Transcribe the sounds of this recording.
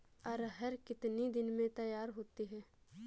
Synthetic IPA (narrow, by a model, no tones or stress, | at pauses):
ɐɾɦəɾkɪt̪nid̪ɪnmẽt̪ɐjaːɾɦoːt̪iɦɛː